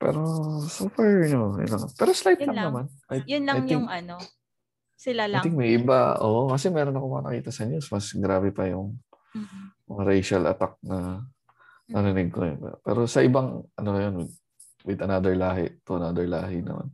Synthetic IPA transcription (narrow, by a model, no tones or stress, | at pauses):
pɛ̰ːɾo̞sofaɹɲoɪ̰lɐŋpɛːɾoslajt̪lɐnɐman | at̪jʊnlɐŋjɪŋɐno | sɪlalt̪ɪŋmɐjʔɪba̰ʔoːʔokɐs̬ɛmɛːɾonɐkomɐŋɐnɐ̰kḭːt̪ɐsɐɲusmɐsɡɾaːbɛpɐjʊŋ | mɐŋɐɾejʃɐlʔɐ̰t̪ak̚nɐ | nɐɾɪnɪɡ̚koj̰pɛ̰ːɾo̞sɐʔɪbaŋʔɐnoɐjonwɪd̪̚ | wɪd̪ɐnad̪ɛɹlaːɦɪ̰ʔt̪oʔɐnad̪ɛɹla̰ːɦɪnɐ̰ma̰n